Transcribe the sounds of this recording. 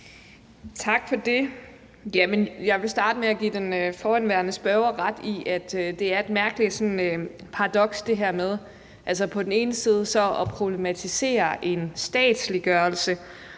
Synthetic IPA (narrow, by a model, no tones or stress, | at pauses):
t͡sʰɑ̈ɡ̥fɒ̽d̥e̝ | jæmenjɑ̈ɪʋe̝sd̥ɑ̈ːd̥əmeæɡ̥ḭːd̥enøfɒːænʋæɐnəsb̥œʊɐʁɑd̥iʔæd̥ød̥e̝æɐe̝d̥̚mæɐɡ̥əlid̥sɒ̽nø | pʰɑ̈ʁɑ̈d̥ɒ̽ɡ̥sd̥e̝ɦæɐ̰með̞ˠ | ʔælsəpʰɒ̽d̥ne̝ːnəsiːð̞ˠəsɒ̽ɒ̽pʰʁo̝b̥le̝mæt͡sʰise̝̰ːɐʔe̝nsd̥ɛ̰ːd̥sliɡ̥ɶːɐlsə